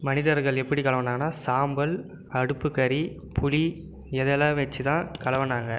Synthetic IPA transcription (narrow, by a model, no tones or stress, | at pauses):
mɐnɪðɐɾɣɐɭɛpːɐɽikɐlɐʋɐnaːŋɡɐnːaːsaːmbɐl | ɐɽɯpːɯkːɐɾi | pʊɭi | ɛðɛlãːʋɐt͡ʃːɯt̪ãːkɐlɐʋɐnːaːŋɡɐ